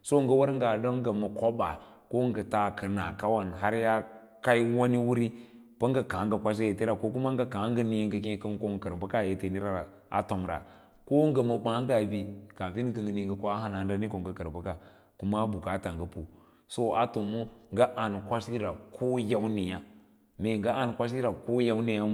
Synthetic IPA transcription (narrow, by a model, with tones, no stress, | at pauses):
so˦ŋ˦ɡə˦wa˦ɾŋ˦ɡa˨do˦ŋ˦ɡə˨mə˨ko˦ba˨ | ko˦ŋɡə˨ta˨kə˨na˨ka˦wa˨nɦa˦ɾja˦ | ka˦i˦wa˦ni˦wu˦ɾi˦ | pə˦ŋɡə˨ka˨˦ŋɡə˨kʷa˦s̬je˨te˦ɾa˨ko˦ku˦ma˦ŋɡa˦ka˨˦ŋɡə˦ni˦jŋɡə˨kẽ˦kə˦m˦ko˦ŋ˨kə˨ɾbə˦ka˦˨je˨te˦ni˦ɾa˦ɾa˨ | a̰˨to˨mɾa̰˨ | ko˦ŋ˦ɡə˨ma˨ba˦ŋɡa˨bi˦ka˨vi˦n˦kə˨ŋɡə˨ni˨ŋɡə˨ko˦a˦ɦa˦na˨n˦da˦ni˦ko˨ŋɡə˨kə˨ɾba˦ka˨ | ku˦ma˦bu˨ka˨˦ta˨ŋɡə˨pu˨ | so˦a̰˨tu˨mo˦ŋɡa˦ʔa˨n˨kʷa˦si˦ɾa˨kʰo˦ja˦wni˨ja˦ | me˨ŋɡa˦a˨n˨kʷa˦s̬i˦ɾa˨ko˦ja˦wni˨ja˦˨